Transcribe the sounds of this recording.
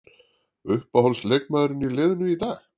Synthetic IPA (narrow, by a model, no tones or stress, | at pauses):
ʏhpahowlslejk̚maðɾɪnilɪːðnʏit̪aːx